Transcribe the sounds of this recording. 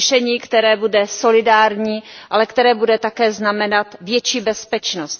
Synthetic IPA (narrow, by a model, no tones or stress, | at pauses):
ʃɛɲiːkt̪ɛɾɛːbudɛso̞lɪdaːɾɲiːʔalɛkt̪ɛɾɛːbudɛt̪akɛːznamɛnat̪vjɛt͡ʃiːbɛspɛt͡ʃnost̪